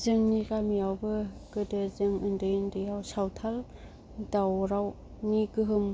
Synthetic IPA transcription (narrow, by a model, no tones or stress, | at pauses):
zɯŋnikamijawbɯɡɯdɯzɯŋɯndɯjndɯjawsawtʰal | dawɾaw | nikɯɦɯm